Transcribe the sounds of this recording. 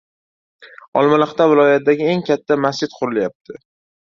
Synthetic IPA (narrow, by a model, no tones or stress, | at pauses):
ɒlˠmalɪχt̪ʰavɪlˠɒjat̪̚d̪aɡʲɪe̞ŋkʲʰat̪ʰːamast͡ʃɪt̪̚qʰʊɾɪljap̚t̪ʰɪ